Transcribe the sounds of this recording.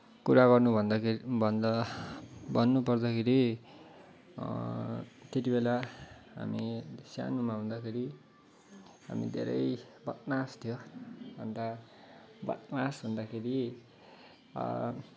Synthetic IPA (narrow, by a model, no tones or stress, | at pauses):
kuɾaɡʌrnubʱʌnd̪bʱʌnd̪ʌ | bʌnːupʌrd̪ʌkʰeɾi | t̪et̪̬ibelaɦa̰misja̰numaɦũnd̪akʰeɾi | ɦa̰mḭd̪ʱḛɾʌ̰jbʌt̪̚nast̪ʰjobʱʌnd̪a | bʌ̰t̪̚nasbʱʌnd̪akʰeɾi